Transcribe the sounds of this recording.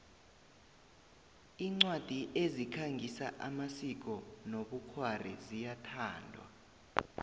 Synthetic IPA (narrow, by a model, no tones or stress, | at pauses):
iːŋ͡ǀwad̥ʱiʔezikʰaŋɡʱisaʔa̰masik̬ɔnoɓukʰwarḭzijatʰaːndʱwa̰